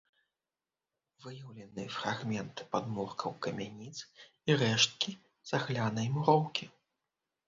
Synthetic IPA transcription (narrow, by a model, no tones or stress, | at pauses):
vɨjɐwlʲɐnɨfraɣmʲɛnt̪ɨ̥pad̪murkʰɐwkɐmʲɛnʲit̪s | iɾɛʂt̪̚kʲi | z̥aɣlʲanɐjmuɾɔwkʲi